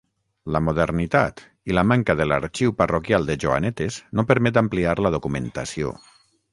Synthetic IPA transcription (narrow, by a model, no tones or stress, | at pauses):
ləmoð̞ernit̪a̰t̪ | iləmaŋkaðela̰ɾt͡ʃiwparokjalˠd̪eʒoa̰nɛt̪eznopəɾmɛt̪ampliaɾləð̞okument̪asio̰